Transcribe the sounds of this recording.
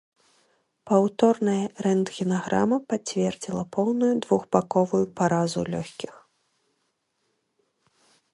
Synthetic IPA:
pawt̪ɔrnɐjɐɾɛnd̪ɣʲinaɣɾa̰mɐpat͡sʲvʲɛrd͡zʲilˠɐpʰɔwnujud̪vuɣbakɔvujupaɾazṵlʲɔ̰xʲkʲix

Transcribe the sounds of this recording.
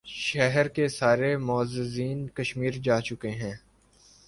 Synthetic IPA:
ʃɛɦɾkesaːɾemɔːzɪziːnkɐʃmiːɾd͡ʒaːt͡ʃʊkeɦɛ̃ː

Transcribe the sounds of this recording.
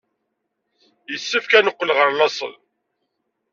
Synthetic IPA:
jəsːəfkænəqːəlʁəɾˤlɑsˤə̰l

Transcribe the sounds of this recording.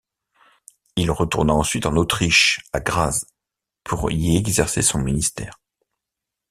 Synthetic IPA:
ilʁət̪uʁnaɑ̃sɥit̪ɑ̃not̪χiʃaɡʁaz | pʰuʁiɛɡzɛʁsesɔ̃minist̪ɛ̰ːʁ

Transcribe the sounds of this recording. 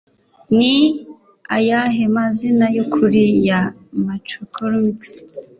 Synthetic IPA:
ni | ajaɦemazinajokʰuɾija | matɾokʰolmiks

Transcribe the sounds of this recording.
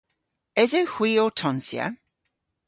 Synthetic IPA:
ɛzəwhw̥iːɔːtʰɔnsjə̰

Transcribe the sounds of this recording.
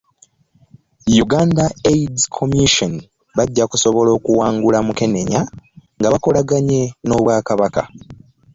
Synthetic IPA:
juɡaːndaejdkʰomiʃon | βaɟːakuso̞βo̞lo̞ːkuwaːŋɡulamuke̞ne̞ɲaŋɡaβako̞laɡaɲe̞no̞ːβwaːkaβaka̰

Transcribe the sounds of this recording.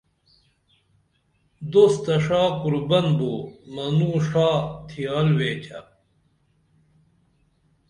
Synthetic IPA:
d̪ost̪ɐʂaːkuɾbɐnboːmɐnuːʂaːt̪ʰijaːlweːt͡ɕʰɐ̰

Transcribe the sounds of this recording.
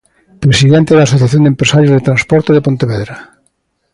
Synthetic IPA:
pɾesiðent̪eðaːsoθjaθjond̪empɾesaɾjozðet̪ɾanspɔɾt̪oðepont̪eβeðɾa

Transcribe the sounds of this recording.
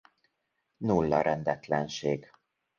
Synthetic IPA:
nulːɒɾɛnd̪ɛt̪lɛnʃeːɡ

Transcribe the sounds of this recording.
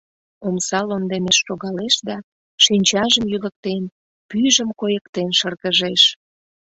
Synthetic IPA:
omsɑlond̪emeʃːoɣɑleʃd̪ɑ | ʃinʲt͡ɕɑʒəmjylək̚t̪en | pyʒəmkojəkt̪enʃərɣəʒeʃ

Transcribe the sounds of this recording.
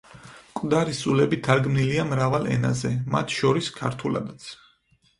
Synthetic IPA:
kʼd̪aɾisulɛbit̪ʰaɾɡmniliamɾavalˠɛ̰na̰zɛma̰t̪ʰʃɔɾiskʰaɾt̪ʰula̰d̪at̪sʰ

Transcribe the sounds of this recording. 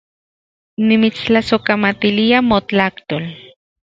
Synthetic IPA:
nimit͡st͡ɬasokamat̪iliamot͡ɬakt̪oːl

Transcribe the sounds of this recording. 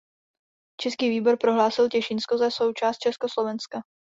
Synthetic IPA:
t͡ʃɛskiːviːbo̞ɾpɾo̞ɦlaːsɪlcɛʃɪnskozaso̞wt͡ʃaːst̪t͡ʃɛskoslo̞vɛnska

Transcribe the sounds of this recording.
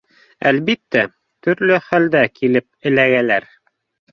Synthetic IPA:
ælβit̪ːæ | t̪ɵ̆ɾlɵχæld̪ækʰilɘp̚ɘ̆læɡælæɾ

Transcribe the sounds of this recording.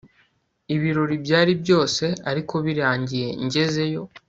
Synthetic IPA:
iβiɾo̞ɾibɟaːɾibjo̞ːse̞aɾikʰo̞βiɾaːɲɟije̞̰ɲɟe̞ze̞jo̞

